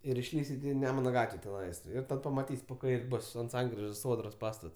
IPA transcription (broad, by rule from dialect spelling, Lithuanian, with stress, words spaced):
ɪr ɪʃʲˈlʲiːsʲɪt ɪ ˈnʲæːmʊnɐ ˈɡɑːtʲʋʲɛ tʲɛˈnɐɪs ˈɪr ˈtɐt pɐmɐˈtʲiːsʲ poː ˈkɐɪrʲ ˈbʊs ɐnt ˈsɐŋkrʲɪʒoːs ˈsoːdroːs ˈpɑːstɐts